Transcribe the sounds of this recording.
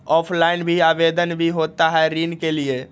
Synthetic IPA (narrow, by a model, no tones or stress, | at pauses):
ɔpʰlainbʱiabed̪ənbʱiɦot̪aɦɛɾinkelie